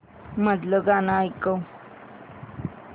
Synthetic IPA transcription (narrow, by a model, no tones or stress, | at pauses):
məd̪ləɡanajkəw